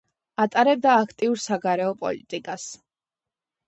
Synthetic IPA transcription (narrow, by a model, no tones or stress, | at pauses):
at̪ʼaɾɛb̚d̪aːkʰt̪ʼiuɾsaɡaɾɛɔpʼɔ̰lḭt̪ʼikʼas